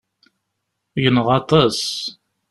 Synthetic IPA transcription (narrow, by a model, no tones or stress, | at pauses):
ʝənʁɑt̪ˤɑs